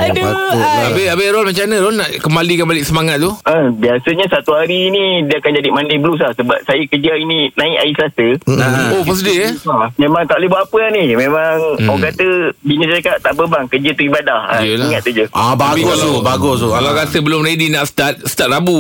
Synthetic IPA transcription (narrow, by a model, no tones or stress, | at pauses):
akuabeabeɾɔlmaɲt͡ʃanəɾɔnaʔkəmbalikanbalɪʔsəmaŋat̪̚t̪ːuəbiasəɲasat̪uɦaɾiːnidiəakand͡ʒadimandibəlus̬lahsəba̰p̚sajəkəd͡ʒaininãiʔa̰isəlasəopəs̬ədiəamemãŋt̪aʔliboapəahnihmemaŋɔkat̪əbinə̃səɾakaʔt̪aʔbəbaŋkəd͡ʒət̪uibadaha̰əlaiŋat̪̚t̪ːud͡ʒəababɡosubaɡosukalawɾasəbəlʊmredinaʔsə̥t̪at̪̚sə̥t̪at̪̚ɾabu